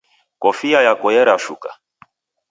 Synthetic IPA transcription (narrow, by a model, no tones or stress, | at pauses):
kɔfiajakɔjɛɾaʃuka̰